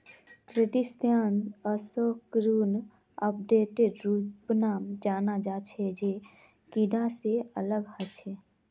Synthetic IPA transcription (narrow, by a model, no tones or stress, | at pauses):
kɾeʈist̪jaːnəsokɾuːn | əp̚ɖeːʈeɖɾuːpnaːmd͡ʒaːnad͡ʒaːt͡ʃʰɛd͡ʒe | kiɖãseələɡhət͡ʃʰɛ